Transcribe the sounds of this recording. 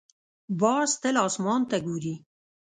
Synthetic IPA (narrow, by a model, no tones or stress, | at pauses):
bɑːst̪əlɑːsmɑnt̪aɡuːɾi